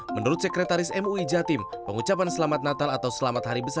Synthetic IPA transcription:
mənuɾʊt̪̚səkɾet̪aɾɪsɛmuid͡ʒat̪ɪm | pəŋut͡ʃapansəlamat̪̚nat̪alat̪awsəlamat̪̚haɾibəsa

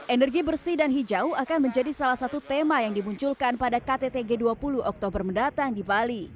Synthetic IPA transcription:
ʔɛnɛrɡibərsidanɦid͡ʒauakanməɲd͡ʒadisalahsat̪ut̪emajaŋdimuɲt͡ʃulkanpadakat̪et̪eɡeduapuluʔɔk̚t̪obərməndat̪aŋdibali

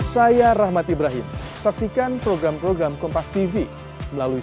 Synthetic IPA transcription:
sajaɾahmat̪ibɾaɦɪm | sak̚sikanpɾoɡɾampɾoɡɾamkɔmpast̪ivi | məlalui

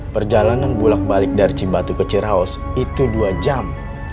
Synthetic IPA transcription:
pərd͡ʒalananbulak̚balɪk̚daɾit͡ʃibat̪ukət͡ʃiɾaɔs | it̪uduad͡ʒam

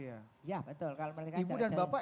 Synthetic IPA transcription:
jajabət̪ʊlkaloməlikibudanbapa

